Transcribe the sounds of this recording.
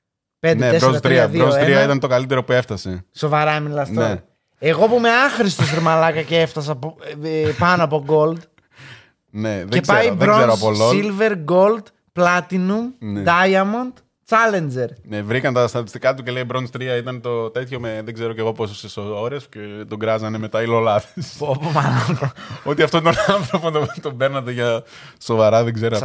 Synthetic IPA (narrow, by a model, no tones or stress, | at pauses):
pend̪eeɾoɐt̪ɾiɐðionseɾiɐit̪ɐnt̪o̞kɐlit̪e̞ɾo̞pue̞ft̪ɐse̞so̞vɐɾɐmilɐst̪one | eɣo̞pume̞ɐxɾist̪osɾmɐlɐkɐceeft̪ɐs̬ɐp | pɐnoɐpo̞ɡo̞ld̪ | ne̞ðezpiɾoeɾoɐpoloilve̞ɾɡo̞ld̪ | plɐt̪inumnd̪ɐjɐmont̪ | t͡sɐlend͡ʒeɾnevɾikɐnt̪ɐst̪ɐt̪i̥st̪ikɐt̪uce̞leibɾo̞nst̪ɾiɐit̪ɐnt̪o̞t̪e̞t̪ço̞meðe̞ɡze̞ɾoceɣo̞pososesooɾiɐscet̪o̞ɡɾɐzɐne̞met̪ɐilolɐðesopomɐnɐot̪iɐft̪oint̪onɐnθɾopot̪ot̪obe̞ɾnɐt̪eʝɐ | so̞vɐɾɐðeɡze̞ɾo